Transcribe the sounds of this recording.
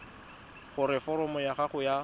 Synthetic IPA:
χʊɾɪfɔɾɔmɔjaχaχʊja

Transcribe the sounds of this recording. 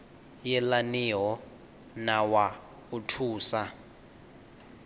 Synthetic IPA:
jɛlaniɦɔ | nawa | utʰuːsa

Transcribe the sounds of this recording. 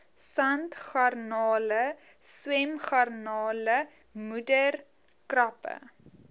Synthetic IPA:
sɐntχarnɑːləswɛmχɐrnɑːlə | mudər | krɐpə̰

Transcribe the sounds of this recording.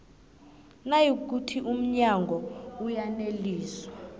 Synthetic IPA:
najik̬utʰiʔum̩ɲaŋɡʱɔujaneliːswa

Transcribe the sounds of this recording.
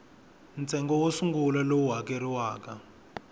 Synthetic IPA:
nt͡sʰɛŋɡɔwosuŋɡulalowuɦakeɾiwaːka

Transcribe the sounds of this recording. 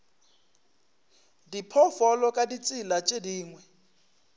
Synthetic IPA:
dipʰɔfɔlɔkʼadit͡sʼilat͡ʃʼediːŋwɛ

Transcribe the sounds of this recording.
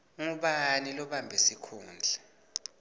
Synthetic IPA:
ŋuɓanilɔɓambʱesikʰuːnd͡ɮʱɛ

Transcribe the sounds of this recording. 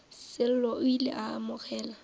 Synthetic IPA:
sɪl̩lɔʔʊilḛʔaːmʊk͡xɛːla

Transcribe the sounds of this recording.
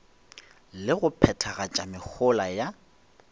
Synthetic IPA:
lɪɣʊpʰɛtʰaɣat͡ʃʼamɪk͡xʰʊlaja

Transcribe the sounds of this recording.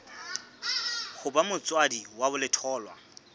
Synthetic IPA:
χʊbamʊt͡sʼwadiwabʊlɪtʰɔːlwa̰

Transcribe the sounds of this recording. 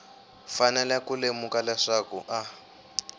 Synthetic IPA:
fanɛlɛkulemukalɛʂakuʔa

